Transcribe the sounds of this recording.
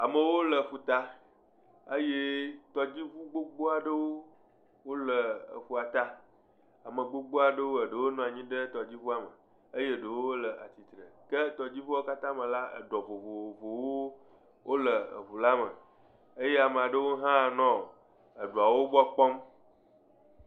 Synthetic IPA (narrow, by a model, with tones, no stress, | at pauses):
a˨mə˨wo˦lə˨fu˨t̪a˦ | ə˦je˦t̪ɔ˦d͡ʑi˦vu˦ɡ͡bo˦ɡ͡bo˦a˨ɖə˦wo˦ | wo˦lə˨ə̰˨fu˦a˨t̪a˦ | a˨mə˨ɡ͡bo˦ɡ͡bo˦a˨ɖə˦wo˦ə˨ɖə˨wo˦nɔ̃˦˨a˨ɲĩ˦ɖə˦t̪ɔ˨d͡ʑi˦vu˦a˨mə˨ | ə˦je˦˨ɖə˨wo˦wo˦lə˨ʔa̰˨t͡ɕi˨t̪ɾə˨kə˦t̪ɔ˨d͡ʑi˦vu˦wo˦ka˦t̪ã˦mə̃˨la˦ə̰˨ɖɔ˨vo˨vo˨vo˨wo˦ | wʔo˦lə˨ə̰˨vu˨la˦mə˨ | ə˦je˦a˨mẽ˨a˨ɖə˦wo˦ɦã˦˨nɔ̃˦˨ | ə˨ɖu˨a˨wo˦ɡ͡bɔ˦k͡pɔ˦m